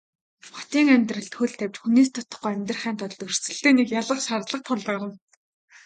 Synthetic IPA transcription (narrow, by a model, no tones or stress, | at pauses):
χɔ̥t̪iːŋæmʲt̪rə̆ɬt̪xɵɮt̪ʰːæwʲt͡ɕxuneːst̪ʰɔt̪ɞ̥̆χɡujæmʲt̪̆rχæːnt̪ʰɔɮt̪ɵr̥sɘ̆ɬt̪eːnekjaɮə̆χʃart̪ɮə̆q̚t̪ʰɔɮə̆ːɾə̆n